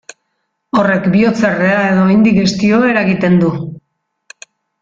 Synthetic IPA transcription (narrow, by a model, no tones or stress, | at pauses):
o̞re̞kbio̞t͡sereae̞ðo̞ajnd̪ike̞st̪io̞e̞ɾaɣit̪e̞nd̪u